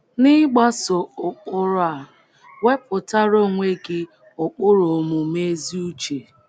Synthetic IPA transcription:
nɪ˦ɡ͡ba˦so˨ʊ˨k͡pʊ˦ɾʊ˦a˨ | we˦p̚ʊ˨ta˦ɾo˦˨ŋʷe˦ɡɪ˦ | ʊ˨k͡pʊ˦ɾo˨mʊ˨me˦zi˦u˦t͡ʃe˨

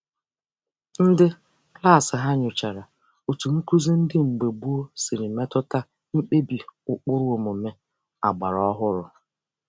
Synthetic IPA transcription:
n̩˦dɪ˦ | kla˦˨sɪ˨ɦa˦ɲʊ˨t͡ʃa˨ɾa˨ | o˨tu˨m̩˦ku˦ze˦n̩˦dɪ˦ŋ͡m̩˨ɡ͡be˨bu˦o˦si˨ɾi˨me˦tɔ˦ta˦ | ŋ͡m̩˦k͡pe˦bi˨ʊ˨k͡pʊ˦ɾo˨mo˨me˦ | a̰˨ɡ͡ba˨ɾɔ˦ɦʊ˦ɾʊ˨

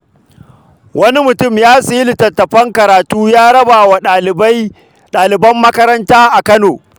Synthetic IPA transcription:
wɐ˦ni˦mʊ˨tʊ˦˨mjaː˦si˦lɪ˨tɐ˨tːɐ˨ɸɐ˦ŋkɐ˨ɾaː˨tuː˦jaː˦ɽɐ˦baː˨wa˨˦ | ɗaː˨lɪ˨bɐ˦mːɐ˦kɐ˦ɾɐ˦ntaː˦ʔa˨kɐ˦noː˨

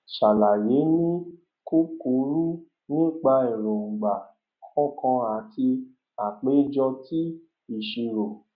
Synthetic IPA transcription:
ʃa˨la˨je˨˦nĩ˦ | ku˦ku˨˦ɾu˦ | nĩ˦k͡pa˧i˨ɾõ˨ŋ͡m̩˨ɡ͡ba˨ | kʰɔ̃˦˨kã˧a˨ti˧ | a˨k͡pe˨˦d͡ʒɔ˧ti˦ | i˨ʃi˧ɾo˨

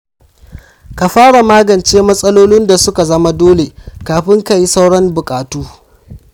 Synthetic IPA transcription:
ka˨ɸaː˦ɽa˨maː˦ɡɐ˨nt͡ʃeː˦mɐ˦sʼɐ˦loː˦nɪ˦nda˨sʊ˦ka˨zɐ˦ma˦doː˦le˨kaː˨ɸɪ˦ŋka˨ji˦sa˦wɽɐ˦mbʊ˨kʼaː˨tuː˦

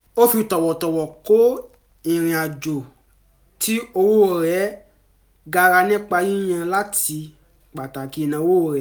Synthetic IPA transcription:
o˦fi˧˨tɔ˨wɔ˨tɔ˨wɔ˨ko˦ | ĩ˨ɾ̃ĩ˨a˨d͡ʒo˨ | tʰi˦o˧wo˦˨ɾɛ˨˦ | ɡa˧ɾa˧nĩ˦k͡pa˧ji˦j̃ã˧la˦ti˧ | k͡pa˨ta˨ki˨˧˦nã˧o˧wo˦o˨ɾɛ˨˦

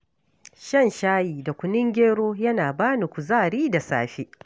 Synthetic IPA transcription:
ʃɐ˦nʃaː˦jiː˨da˨kʷʊ˨nɪ˦ŋɡʲeː˦ɽoː˦jɐ˦naː˨baː˦ni˨kʷu˨zaː˦˨ɽiː˦da˨sa̰ː˦ɸeː˦ʔ

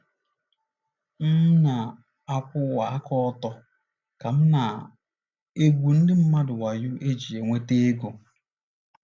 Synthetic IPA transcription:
m̩˦na˨ | a˨kʷʊ˦wa˨a˦kɔ˦tɔ˦ | ka˨m̩˦na˨ | e˦ɡʷu˨n̩˦dɪ˦m̩˦ma˦dʊ˨wa˨jʊ˦ʔe˦d͡ʒi˨e˨ŋʷe˦te˦e˦ɡo˨

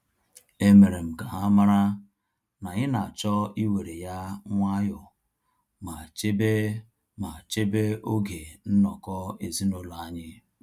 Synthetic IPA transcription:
e˦me˨ɾe˨m̩˨ka˨ɦa˦ma˦ɾa˦ | na˨ɲɪ˦na˨t͡ʃɔ˦i˦we˨ɾe˨ja˦ŋʷa˦ɦʊ˨ | ma˨t͡ʃe˦be˦ | ma˨t͡ʃe˦be˦o˦ɡe˨n̩˦nɔ˨kɔ˦e˨zi˦no˦la˨a˦ɲɪ˦

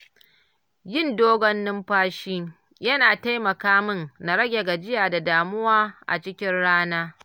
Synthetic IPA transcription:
jɪ˦˨ndoː˦ɡɔ˦nːɪ˦mɸaː˦ʃiː˦ | jɐ˦naː˨ta˦jmɐ˨kaː˦mʊ˦nna˨ɾɐ˦ɡʲe˨ɡa˨d͡ʒɪ˦jaː˨da˨daː˨mʊ˦waː˦ʔa̰˨t͡ʃɪ˦kʲɪ˦nɽaː˦naː˦

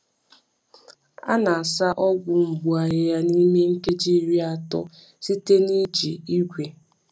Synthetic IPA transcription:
a̰˦na˨a˨sa˦ʔɔ˦ɡʷʊ˨m̩˨bu˨a˨ɣɪ˦ja˦ni˦me˦ŋ̩˦ke˦d͡ʒi˦ɾi˦a˨tɔ̰˦ | si˦te˦ni˦d͡ʒi˨i˦ɡʷe˨

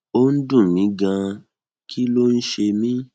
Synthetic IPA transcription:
o˦n̩˦dũ˦˨mĩ˨˦ɡã˧ | kʰi˦lo˦n̩˦ʃe˧mĩ˦

